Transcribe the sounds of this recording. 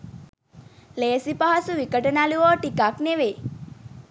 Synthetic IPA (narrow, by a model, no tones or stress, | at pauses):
leːsipaɦasuʋikəʈənaluʋɔʈikakneʋe